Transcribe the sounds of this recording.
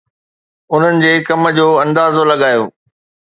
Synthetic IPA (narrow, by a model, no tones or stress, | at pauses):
ʊn̤ənɪ̆d͡ʑeːkɐmə̆d͡ʑoːɐ̃nd̪aːzolɐɠaːjo̰ː